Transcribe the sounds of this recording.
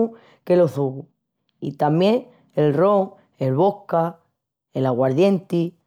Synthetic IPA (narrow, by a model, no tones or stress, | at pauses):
u | ke̞lo̞θuɣu | it̪amje̞ŋ | elro̞ŋ | e̞lβo̞hka | elaɣwaɾðje̞nt̪i